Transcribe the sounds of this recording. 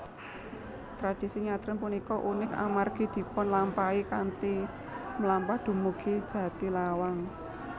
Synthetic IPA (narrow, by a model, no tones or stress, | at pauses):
t̪ɾad̥isiɲat̪ɾənpunikɔʔunɪka̰marɡ̥i̤d̪̥i̤pɔnlampaikant̪i | məlampad̪̥ṳmuɡ̥e̤d̥d͡ʒ̥ä̤t̪ilawaŋ